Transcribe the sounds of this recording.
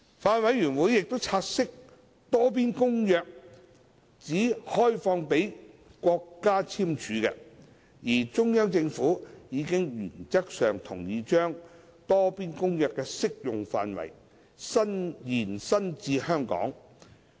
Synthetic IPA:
faː˧nwɐ˨˧jːyː˨˩nwuː˨˥jːɪ˨k̚t̪o˥wt͡sʰaː˧t̚sɪ˥k̚ | t̪ɔː˥p̬iː˥nkʊ˥ŋjœː˧k̚ | t͡siː˨˥hɔː˥jfɔː˧ŋpe˨˥jkʷɔː˧kːaː˥t͡sʰiː˥mt͡ʃʰyː˨˥kɛ˧ | jiː˨˩t͡ʃʊ˥ŋjɐ˥mt͡sɪ˧ŋfuː˨˥jiː˨˧kɪ˥ŋjyː˨˩nt͡sɐ˥k̚sœː˨ŋt̪ʰʊ˨˩ŋjiː˨˧t͡ʃœː˥ŋ | t̪ɔː˥piː˥nkʊ˥ŋjœː˨˧kːɛː˧sɪ˥k̚jʊ˨ŋfa̰ː˨nwɐ̰˨˩j | sɐ˥njiː˨˩nsɐ˥nt͡siː˧hœː˥ŋkɔ̰ː˨˥ŋ

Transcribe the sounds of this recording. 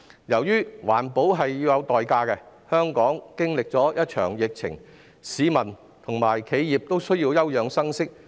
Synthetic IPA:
jɐ˨˩wjyː˥wa̰ː˨˩npo˨˥wɦɐ˨jːiː˧wjɐ˨˧wt̪ɔː˨jkaː˧kɛ˧ | hœː˥ŋkɔː˨˥ŋkɪ˥ŋlɪ˨k̚t͡sɔː˨˥jɐ˥t̚t͡ʃʰœ̰ː˨˩ŋjɪ˨k̚t͡sʰɪ̰˨˩ŋ | siː˨˧mɐ˨˩n | t̪ʰʊ˨˩ŋmaː˨˩jkʰe˨˧jjiː˨p̚t̪o˥wsɵ˥ɥjiː˧wjɐ˥wjœː˨˧ŋsɐ˥ŋsɪ˥k̚

